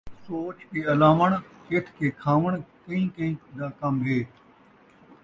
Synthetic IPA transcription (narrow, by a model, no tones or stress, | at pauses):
soːt͡ʃkeːɐlaːʋəɳ̃ket̪ʰkeːkʰaːʋəɳ̃kəĩːkə̃ĩːd̪aːkɐmɦeː